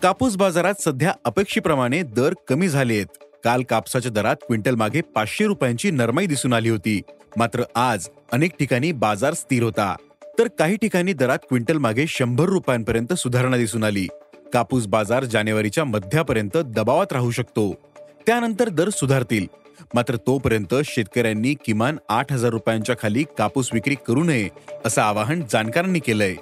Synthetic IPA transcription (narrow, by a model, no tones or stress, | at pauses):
kapuːsbad͡zaɾat̪səd̪ʱjaəpekʂiːpɾəmaɽ̃ed̪əɾkəmiːd͡zʱalet̪̚kalkapsat͡ɕjad̪əɾat̪̚kʋiɳʈəlmaɡʱepat͡sɕeɾupjaɲt͡ɕiːnəɾmaid̪isuːnaliːɦot̪iːmat̪ɾəʔad͡zənek̚ʈikaɽ̃iːbad͡zaɾst̪iːɾɦot̪a̰ | t̪əɾkaɦiːʈikaɽ̃iːd̪əɾat̪̚kʋiɳʈəlmaɡʱeɕəmbʱəɾːupjampəɾjənt̪əsud̪ʱaɾɳ̃ad̪isuːnaliːkapuːsbad͡zaɾd͡ʑanjeʋaɾit͡ɕjaməd̪ʱjapəɾjənt̪əd̪əbaʋat̪ɾaɦuɕəkt̪o | t̪janənt̪əɾd̪əɾsud̪ʱaɾt̪iːl | mat̪ɾət̪opəɾjənt̪əɕet̪̚kəɾjanːiːkimanaʈʰɦəd͡zaɾːupjãɲt͡ɕjakʰaliːkapuːsʋikɾiːkəɾuːnəɦeəsaːʋaɦəɳd͡zankaɾanːiːkeləj